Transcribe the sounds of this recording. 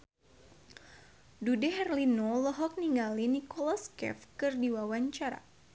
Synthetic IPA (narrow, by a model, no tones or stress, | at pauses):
dudɛɦɛrlinoləɦɔk̚niŋɡalinikɔlaskɛ̰fkɨrdiwawaɲt͡ʃaɾa̰